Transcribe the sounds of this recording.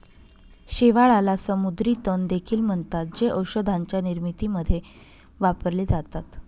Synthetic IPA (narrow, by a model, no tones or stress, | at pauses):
ɕeʋaɭalasəmud̪ɾiːt̪ənd̪ekʰiːlm̤əɳt̪at̪̚d͡ʑeʔəwɕəd̪ʱaɲt͡ɕjaniɾmit̪iːməd̪ʱːje | ʋapəɾled͡zat̪at̪